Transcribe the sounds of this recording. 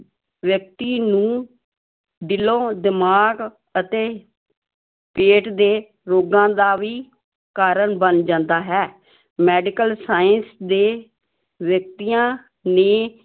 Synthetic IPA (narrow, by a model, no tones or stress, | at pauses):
ʋjək̚t̪iːnũː | ɖ̪ɪlõːd̪ɪmaːɡ | ət̪eː | peːʈd̪eː | ɾoːɡãːd̪aːʋiː | kaːɾənbənd͡ʒãːnd̪aːɦɛː | mɛːɖɪkəlsaːjənsd̪eː | ʋjək̚t̪iːãː | neː